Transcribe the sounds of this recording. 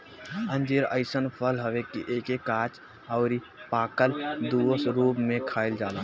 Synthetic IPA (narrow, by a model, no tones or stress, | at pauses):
ə̃nd͡ʒeɾəɪsənpʰəlɦəʋekiʔeːkekaːt͡ʃ | ɔʊɾi | paːkəld̪uəsɾuːpmẽkʰaːɪld͡ʒaːlaː